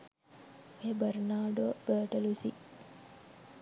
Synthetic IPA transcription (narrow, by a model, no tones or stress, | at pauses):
ebəɾnaːɖobəːʈəlusi